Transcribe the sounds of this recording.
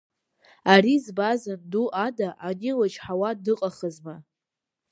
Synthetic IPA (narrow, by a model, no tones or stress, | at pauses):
arizbazɨnduʔadaʔanilat͡ʃʰħawadɨqʼaχəzma